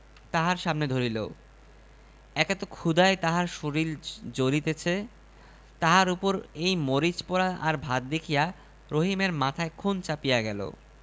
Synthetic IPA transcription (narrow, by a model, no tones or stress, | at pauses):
t̪aɦaɾʃamned̪ʱoɾilo̰ | ɛket̪okʰud̪aet̪aɦaɾʃoɾild͡ʑoɾit̪et͡ɕʰe | t̪aɦaɾupoɾejmoɾit͡ɕpoɾaaɾbʱad̪̚d̪ekʰija | ɾoɦimeɾmat̪ʰaekʰunt͡ɕapijaɡɛlo̰